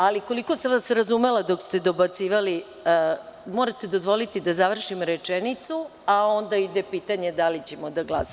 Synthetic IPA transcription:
aliko̞liko̞saʋasɾazume̞lˠad̪o̞kst̪e̞d̪o̞bat̪siːʋali | moɾat̪e̞d̪o̞zʋo̞lit̪id̪azaʋr̩ʃimɾet͡ʂenit̪suao̞nd̪aid̪epiːt̪aɲe̞d̪alit͡ɕe̞mo̞d̪aɡlˠasa

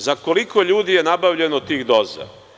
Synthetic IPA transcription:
zako̞liko̞ʎuːd̪ije̞nabavʎe̞not̪iːxd̪oːza̰

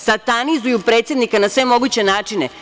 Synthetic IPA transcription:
sat̪anizujupɾe̞ːt̪sjed̪nikanasʋe̞mo̞ɡut͡ɕe̞naːt͡ʃine

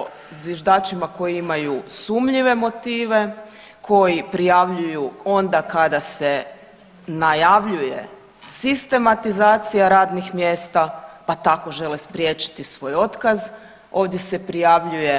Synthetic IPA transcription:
zʋjeʒd̪aːt͡ʃimako̞jiimajusumʎiʋe̞mo̞t̪iːʋe̞ | kʰo̞jipɾijaʋʎujuo̞nd̪akad̪ase̞ | najaʋʎuje̞̰ | sist̪e̞mat̪izaːt̪sijaɾaːd̪nixmjeːst̪apat̪ako̞ʒe̞lespɾʲije̞t͡ʃi̥t̪isʋo̞ːjo̞t̪kaz | o̞ːʋd̪je̞se̞pɾijaʋʎuje̞

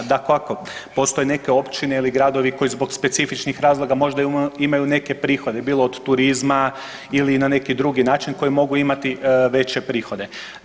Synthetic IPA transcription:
d̪akoako | po̞st̪o̞jene̞ke̞o̞pt͡ʃine̞iliɡɾad̪o̞ʋiko̞izbo̞ɡspe̞t̪sifit͡ʃnixɾaːzlˠo̞ɡamo̞ʒd̪aiimajune̞ke̞pɾiːxo̞d̪e̞biːlˠo̞od̪t̪uɾizma | ilinane̞kid̪ɾuɡinaːt͡ʃinko̞jimo̞ɡuimat̪iʋe̞t͡ɕe̞pɾiːxo̞d̪e̞

